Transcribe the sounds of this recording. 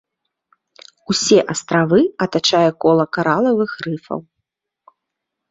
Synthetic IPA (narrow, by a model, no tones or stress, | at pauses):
usʲɛʔɐst̪ɾavɨɐt̪at͡ʂajɛkɔlˠɐkaɾalˠɐvɨxrɨfɐ̰w